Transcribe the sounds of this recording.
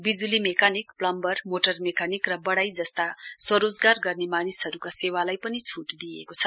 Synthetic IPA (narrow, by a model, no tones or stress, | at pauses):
bid͡zulimekanikplʌmbʌrmoʈʌrmekanikrʌbʌɽajd͡zʌst̪asʌɾod͡zɡarɡʌrnemanisɦʌɾukasewalajpʌnit͡sʰuʈd̪ijḛkot͡sʰʌ